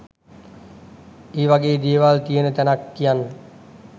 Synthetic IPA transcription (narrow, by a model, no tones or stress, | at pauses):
eːʋaɡeːd̪eːeʋalt̪ijənət̪ænakːijanːə